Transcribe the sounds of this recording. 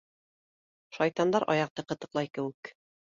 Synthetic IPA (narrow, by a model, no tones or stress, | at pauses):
ʃɑjt̪ɑnd̪ɑɾʔɑ̰jɑq̚t̪ɤqɤ̆t̪ɤ̆qlˠɑjkɘ̆wɘk